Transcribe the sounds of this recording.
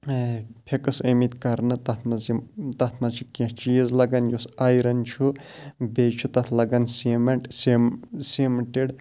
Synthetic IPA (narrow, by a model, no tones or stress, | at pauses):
pʰekɨsəmit̪kɐɾnɨt̪ɐt̪ʰmɐzt̪ɐt̪ʰmɐt͡ʃʰi̥kʲẽt͡ʃijəzlɐɡɐnjosajɾɐnt͡ʃʰubet͡ʃʰut̪ɐt̪ʰlɐɡɐnsimɐɳʈsesemʈeɖ